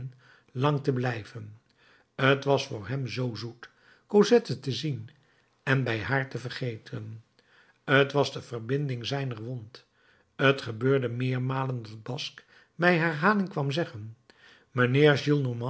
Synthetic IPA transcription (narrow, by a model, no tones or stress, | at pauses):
n | lɑŋtəblɛjvən | ətʋɑsfʊːɹɦɛmzowzut | kozɛtətəzin | ɛnbɛjɦaːɹtəvərχejtʰən | ətʋɑzdəv̥ərbɪndɪŋzɛjnəɹʋont | ətχəbøːɹdəmɪːɹmaːləndɑd̚bɑsk | mɛjɦaɹɦaːnɪŋkʋɑmzɛχən | mənɪːɹʒilˠnomɑ